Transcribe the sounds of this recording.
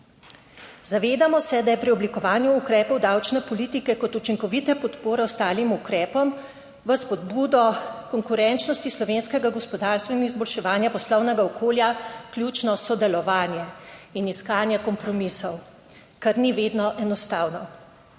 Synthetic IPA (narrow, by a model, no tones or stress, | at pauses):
zaʋeːd̪amɔsɛd̪ajɛpɾiɔblikɔʋaːnjuːkɾɛːpɔwd̪awt͡ʃnɛpɔlit̪ikɛkɔt̪ut͡ʃiŋkɔʋit̪ɛpɔt̪poːɾɛwst̪aːlimukɾɛːpɔm | ʋəspɔd̪buːd̪ɔkɔŋkuɾɛnt͡ʃnɔst̪islɔʋeːnskɛɡaɡɔspɔd̪aːɾst̪ʋɛnizbɔlʃɛʋaːnjapɔslɔwnɛɡaɔkʰoːljakljut͡ʃnɔsɔd̪ɛlɔʋaːnjɛiniskaːnjɛkɔmpɾɔmisɔw | kaɾniʋeːd̪nɔʔɛnɔst̪aːwnɔ